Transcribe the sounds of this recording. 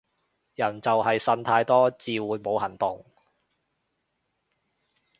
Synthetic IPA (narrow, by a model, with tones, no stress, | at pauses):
jɐ˨˩nt͡sɐ˨wɦɐ˨jsɐ˧nt̪ʰaː˧jt̪ɔː˥t͡siː˨wuː˨˧jmo˨˧whɐ˨˩nt̪ʊ˨ŋ